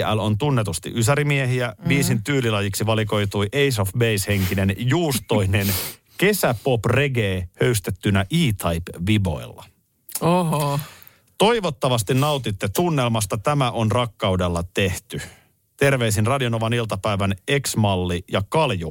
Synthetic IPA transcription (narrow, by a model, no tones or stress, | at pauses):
ælo̞nt̪unːet̪ust̪ḭʔys̬æɾimieɦiæʋiːsint̪yːlilɑjiksiʋɑliko̞jt̪ujʔe̞jsofbe̞jshe̞ŋkine̞njuːst̪o̞jne̞n | ke̞sæpo̞pre̞ɡeːhø̞yst̪et̪ːynæʔiːt̪ʰɑjpʋibo̞̰ilːɑ̰ | oɦ | t̪o̞jʋo̞t̪ːɑʋɑst̪innɑwt̪it̪ːet̪unːe̞lmɑst̪ɑt̪æmæʔo̞nrɑkːɑudelːɑt̪e̞ht̪y | t̪e̞rʋe̞is̬inrɑdio̞no̞ʋɑnilt̪ɑpæjʋæne̞ksmɑlːijɑkɑlju